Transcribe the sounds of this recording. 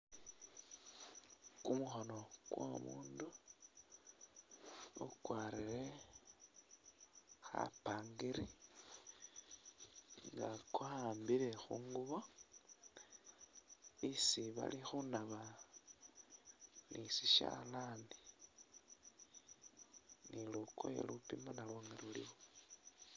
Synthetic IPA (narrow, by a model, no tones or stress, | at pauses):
kumuxono̞ɡ̥wo̰muːndu | ukwaːɾiɾe̞ | xa̰paːŋɡiɾi | ŋɡakuhaːmbiɾe̞xuːŋɡuβo | isiβa̰lixunaβa | nisiʃa̰laːni | niluko̰jḛlupimanalwoŋɡelulḭwo